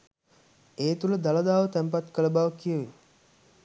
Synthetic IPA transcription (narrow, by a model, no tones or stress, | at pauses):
eːt̪uləd̪aləd̪aːʋət̪æmpat̪kələbaʋəkijəʋe